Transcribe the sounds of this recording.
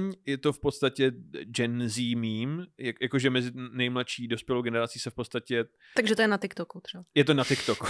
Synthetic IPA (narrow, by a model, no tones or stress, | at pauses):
ɲjɛt̪o̞fpo̞t̪st̪acɛd͡ʒɛnziːmiːmjajakoʒɛmɛzɪnɛjmlat̪ʃiːdo̞spjɛlowɡɛnɛɾat͡siːsɛfpot̪st̪acɛ | t̪aɡʒɛt̪ojɛnat̪ɪkt̪okut̪r̥ɛbajɛt̪onat̪ɪkt̪ok